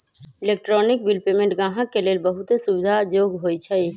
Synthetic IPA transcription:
ɪleːk̚ʈɾɔnɪk̚bilpeːmẽɳʈɡãːɦəkːeleːlbəɦʊt̪esubɪd͡ʒ̪ʱad͡ʒoːɡɦoːit͡ʃʰɛi

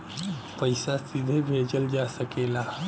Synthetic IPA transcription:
pəjsasid̪ʱebʱed͡ʑəld͡ʑast̪əkela

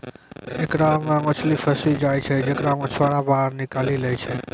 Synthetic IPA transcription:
ekɾamẽot͡ʃʰlipʰəsid͡ʒajt͡ʃʰɛd͡ʒekɾamẽt͡ʃʰoɽabaɾnikalilɛjt͡ʃʰɛ

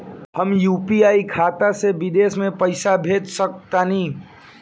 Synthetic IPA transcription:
həmjuːpiaːikʰaːt̪asebɪd̪eːsmẽpəɪsabʱeːt̪sək̚t̪anĩː

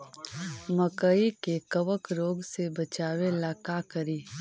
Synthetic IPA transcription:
məkəikekəʋəkɾoːɡsebət͡ʃaːwelaːkakəɾiː

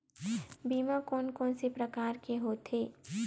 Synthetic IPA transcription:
biːmãkɔːnkɔ̃ːnsepɾɐkaːɾkeɦoːt̪ɦeː

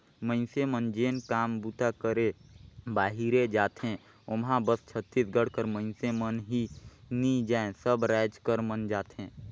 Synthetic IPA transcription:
mə̃ɪnsemənd͡ʒeːnkaːmbut̪akəɾebaːɦiɾed͡ʒaːt̪ɦẽ | ʊmɦãbəst͡ʃʰət̪ːisɡʱəɽ̤kəɾmə̃ɪnsemənɦinid͡ʒaːẽsəbɾaːd͡ʒkəɾmənd͡ʒaːt̪ɦẽː

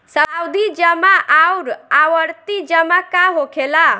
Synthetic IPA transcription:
səwd̪id͡ʒəmãʔawɾaʋəɾt̪id͡ʒəmakaɦokʰela

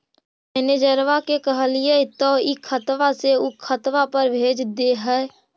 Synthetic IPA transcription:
mɛned͡ʒəɾʋakekəɦəliet̪ɔikʰət̪ʋaseukʰət̪ʋapəɾbʱeːd͡ʒd̪eɦɛ

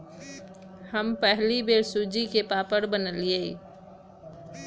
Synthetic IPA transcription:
həmpɛɦlibeːɾsuːd͡ʒikepaːpəɾbənəlieː

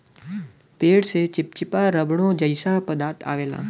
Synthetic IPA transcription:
peːɽset͡ʃɪp̚t͡ʃɪpaɾəbɳõd͡ʒəɪsapəd̪aːt̪ʰa̰ːʋeːlã̰ː

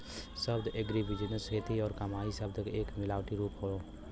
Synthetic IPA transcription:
səbd̪ʱeɡɾibʱid͡ʒənəsɦet̪iɔːɾkɐmaisəb̚d̪ʱkeːkmilawʈiɾuːpɦoo

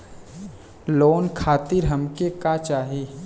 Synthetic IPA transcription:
loːnkʰaːt̪ɪɾɦɐmkekat͡ʃaːɦeː

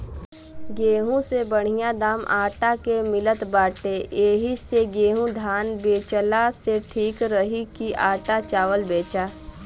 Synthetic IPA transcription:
ɡeːɦũsebəɽ̤ijad̪aːmʔaːʈakemɪlət̪baːʈeʔeːɦiseɡeːɦũd̪ʱaːnbeːt͡ʃəlaseʈʰiːkɾəɦikiaːʈat͡ʃaːʋəlbeːt͡ʃaː

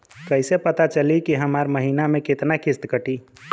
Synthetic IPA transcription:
kəɪsepət̪at͡ʃəlikiɦəmaɾməɦinamẽket̪nakɪst̪kəʈi

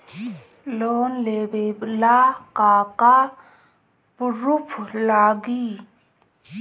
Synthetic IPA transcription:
loːnleːbeːblaːkaːka | pʊɾupʰlaːɡiː

